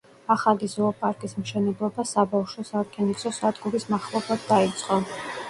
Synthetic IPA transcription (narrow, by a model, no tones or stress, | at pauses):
aχalizɔɔpʼaɾkʼismʃɛnɛblˠɔbasabafʃɔsaɾkʰɛniksɔsad̪ɡuɾismaχlˠɔblˠad̪̚d̪ait̪sʼqʼɔ